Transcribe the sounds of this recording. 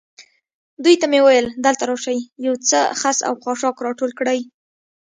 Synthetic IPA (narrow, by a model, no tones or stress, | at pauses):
d̪ujt̪amewajəld̪əlt̪aɾɑʃajjawt͡səxasa̰wxɑʂɑkɾɑʈolkɽaj